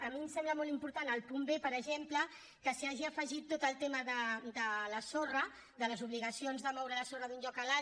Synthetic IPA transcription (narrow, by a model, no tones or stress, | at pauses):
əmimsɛmbləmolˠimpuɾt̪anəlˠpumbepəɾəʒemplə | kəsiaʒiəfəʒit̪ːot̪əlˠt̪eməðəd̪ələsorə | ðələzuβliɣəsionzðəmɔwɾələsorəðunʎɔkəla